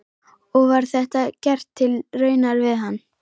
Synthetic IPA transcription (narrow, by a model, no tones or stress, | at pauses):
ɔɣvaɾ̥θɛht̪acɛr̥t̪ʰːɪlrœːɥnaɾvɪðɦanː